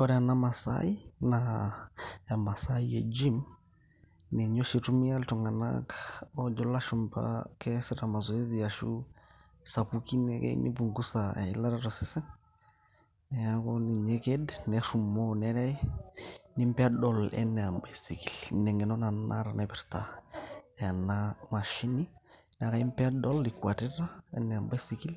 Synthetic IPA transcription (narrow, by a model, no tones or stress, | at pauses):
ɔɾɛanamasa̰ina | amasaied͡ʒim | nɛɲoʃitumijaltɔŋana̰kod͡ʒɔlaʃumba̰kɛsɛtamazoezijaʃṵ | sapukinɛkɛ̰nḭbuŋɡusalaɾaɾasisɛŋ | nɛakoniɲekednɛɾumonɛɾɛ | nimpɛadɔlɛ̰nːɛambasikilnɛŋɛnonana̰ɾanabɛɾta | anamaʃini | nakaimpɛadɔlikuatiɾaɛ̰nːɛambasikil